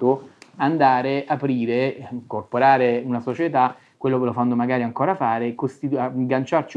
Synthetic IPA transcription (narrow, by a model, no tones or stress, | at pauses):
t̪oand̪aːɾeapɾiːɾeŋkorpoɾaːɾeunasot͡ʃet̪a | kːwelːokelofanːomaɡaːɾiaŋkɔːɾafaːɾekost̪it̪aɡant͡ʃart͡ʃi